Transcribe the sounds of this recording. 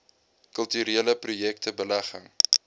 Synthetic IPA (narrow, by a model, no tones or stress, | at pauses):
kəlˠtyɾiələprujɛktəbəlæχəŋ